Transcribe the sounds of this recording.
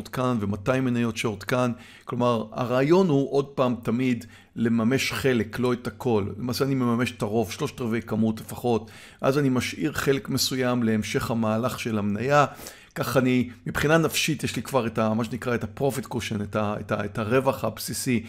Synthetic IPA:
d̪kanvematajmenajo̞tʃeod̪kan | klo̞maʁa̰ʁaːjo̞nhuʔo̞d̚paːmtamid | le̞mame̞ʃχe̞leklo̞etakʰo̞llemaːseanime̞mame̞ʃe̥taʁo̞vʃlo̞ʃt̪aʁvejkamutle̞faχo̞t | veʔazanimaʃʔiʁχe̞le̞kmesujamle̞emʃe̞χhamaːlaχʃe̞lamnaja | kaχanimibχinanafʃitjeʃlikvaʁetamaʃ̬enikʁaetapʁo̞fitkoʃenetaetaetaʁe̞vaχhabsisi

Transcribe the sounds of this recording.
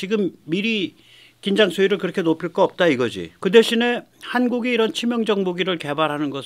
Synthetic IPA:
t͡ɕiɡɯmːiɾi | kind͡ʑaŋsʰoiɾɯɭkɯɾʌkʰe̞nopʰiɭ̚k͈ʌʌp̚t͈aiɡʌd͡ʑḭkɯde̞ɕʰine̞hanɡuɡeiɾʌnt͡ɕʰimjʌŋd͡ʑʌŋ̚moɡiɾɯɭke̞baɾɦanɯnɡʌ

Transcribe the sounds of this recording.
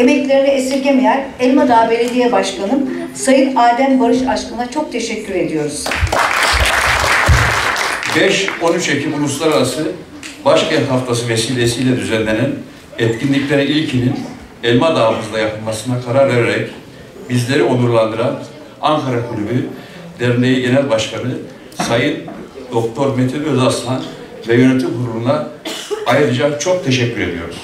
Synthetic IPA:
emɛclʲe̞ɾinɛesiɾɟʲe̞mejæɾɛlʲmad̪aːbelʲid̪ʲijɛbaʃkʰanɯm | sajɯnaːd̪æmbaɾɯʃat͡ʃkɯnat͡ʃʰo̞k̚t̪ʰe̞ʃɛcːyɾe̞d̪ijo̞ɾuz̥ | bɛʃo̞nyt͡ʃecʰimulˠuslˠaɾaɾasɯ | baʃcʰænt̪haft̪ʰas̬ɯve̞siːlʲe̞sijlʲɛd̪yzænlʲenæn | ɛt̪cʰinlʲiclʲeɾiilʲcʰinin | ɛlʲmad̪aːmɯzd̪ajapʰɯlˠmasɯnakʰaɾaɾve̞ɾeɾɛc | bizlʲe̞ɾio̞nˠuɾlˠand̪ɯɾan | aŋkʰaɾakʰulʲyby | d̪ɛɾnʲejiɟe̞nælʲbaʃkʰanɯ | sajɯnd̪o̞k̚t̪ʰo̞ɾmet̪ʰybøzast̪ʰan | vɛjø̞net̪ʰimhuɾuɾund̪aː | jɯɾɯd͡ʒakt͡ʃʰo̞k̚t̪ʰeʃɛcʲːyɾe̞d̪ijo̞̰ɾum

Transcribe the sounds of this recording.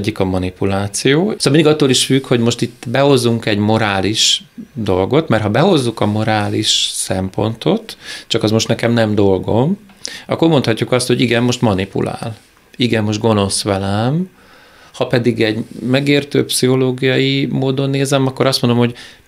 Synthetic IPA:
ɟːikɒmɒnipulaːt̪sijoːsoːlminiɡɒt̪ːoːliʃfykho̞ɟmo̞ʃt̪it̪ːbɛho̞zːuŋkɛɟmo̞ɾaːliʃd̪o̞lɡo̞t̪mɛrɦɒbɛho̞zːukɒmo̞ɾaːliʃsɛmpo̞nt̪o̞t̪t͡ʃɒkɒzmo̞ʃt̪nɛkɛmnɛmd̪o̞lɡo̞mɒ̰kːo̞rmo̞nt̪ʰhɒcːukɒst̪ho̞ɟiɡɛmmo̞ʃt̪mɒnipṵlʔa̰ːl | iɡɛmːo̞ʃ̬t̪̚ɡo̞no̞sʋɛlɛm | hɒpɛd̪iɡɛɟmɛɡeːrt̪ø̰ːpsiɦo̞loːɡijɒjimoːd̪o̞nːeːzɛmɒkːo̞ɾɒst̪mond̪omho̞ɟ

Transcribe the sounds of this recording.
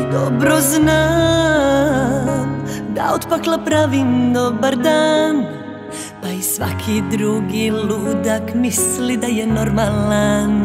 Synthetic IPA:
d̪obɾozna | md̪a̰ot̪paklˠapɾavind̪obaɾd̪an | paisʋa̰kʰid̪ɾuɡilud̪akmislid̪ajɛnoɾmalan

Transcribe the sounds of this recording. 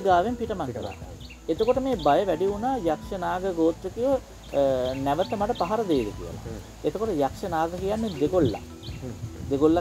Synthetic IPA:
ɡaːʋempiʈəmakːa̰ | et̪əkoʈəmeːbajəʋæɖiunaːjakʂənaːɡəɡoːt̪ɾəkiʋə | næʋət̪əmaʈəpaɦaɾəd̪ejid̪əkḭjə̰la̰ | et̪əkoʈəjakʂənaːɡəkijanːed̪eɡolːa̰ | d̪eɡolːa

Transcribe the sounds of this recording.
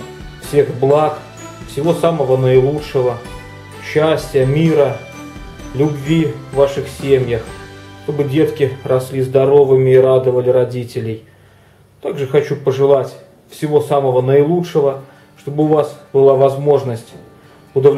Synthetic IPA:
fsʲe̞xblˠak | fsʲɪvo̞saməvənəɪlˠutʂɨvə | ɕːæsʲtʲjəmʲiɾə | lʲʊbvʲivːaʂɨxsʲemʲjəxʂt̪o̞bɨdʲe̞t̪kʲɪrɐsʲlʲizd̪ɐɾo̞vɨmʲɪːɾad̪əvəlʲɪɾɐdʲitʲɪlʲɪj | t̪aɡʐɨxɐt͡ɕupəʐɨlˠatʲ | fsʲɪvo̞saməvənəɪlˠutʂɨvə | ʂt̪o̞bɨʊvasb̥ɨlˠavɐzmo̞ʐnəsʲtʲ | ʊd̪əvlʲ

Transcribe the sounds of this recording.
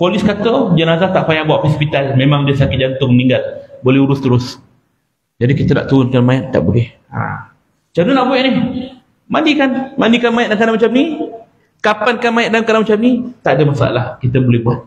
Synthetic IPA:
polɪskat̪əd͡ʒənazaht̪aʔfajaŋbuaʔfispit̪almemãŋdiəsakɪt̪̚d͡ʒant̪ʊŋnĩŋɡal̚bolɛhuɾʊst̪əɾʊs | d͡ʒadikit̪əna̰ʔt̪uɾʊnkanmaɪt̪̚t̪a̰ʔbolɛh | a̰ | t͡ʃanənaʔbuɛʔnɪh | mandikanmandikanmajɪt̪̚nakanamat͡ʃamni | kapankanmajɪt̪̚daŋkanamat͡ʃamnit̪aʔdəmasa̰a̰lahkit̪əbolɛhbuat̪̚

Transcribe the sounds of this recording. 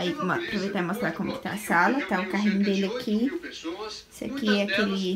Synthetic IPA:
aimpɾovejt̪amost̪ɾakõmɛkɪ̥t̪a̰ːsalɐt̪aʊkaɦĩɲʊd̪elɪakʰi | sɪa̰kiɛɐkelɪ

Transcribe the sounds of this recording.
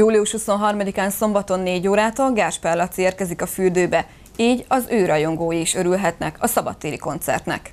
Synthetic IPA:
juːliuʃhuso̞nɦɒrmɒd̪ikaːnso̞mbɒt̪o̞nːeːɟoːɾaːt̪ɒlɡaːrʃpɛlːɒt̪sieːrkɛzikɒfyrd̪øːbɛ | iːɟɒzøːɾɒjo̞ŋɡoːjiːʃø̞ɾylɦɛt̪nɛkɒsɒbɒ̰t̪ːeːɾiko̞nt̪sɛ̰rt̪nɛ̰k

